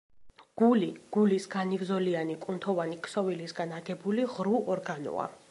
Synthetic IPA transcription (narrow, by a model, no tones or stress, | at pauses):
ɡ̥uliɡ̥ulisɡanivzɔlianikʼunt̪ʰɔvanikʰʼsɔvilisɡanaɡɛbuliʁɾuɔɾɡanɔ̰a̰